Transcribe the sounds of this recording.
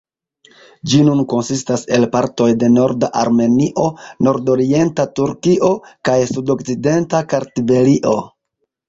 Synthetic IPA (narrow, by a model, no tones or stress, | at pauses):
d͡ʒinunko̞nsistase̞lpaɾto̞jde̞no̞ɾdaʔaɾme̞niʔo̞no̞ɾdo̞ɾie̞ntatuɾkiʔo̞kajsudo̞kt͡side̞ntakaɾtibe̞liʔo̞